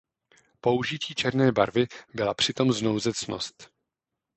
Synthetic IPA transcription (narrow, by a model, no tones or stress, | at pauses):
po̞uʒɪciːt͡ʃɛɾnɛːbaɾvɪbɪlapr̝̥ɪt̪o̞mzno̞wzɛt͡sno̰st̪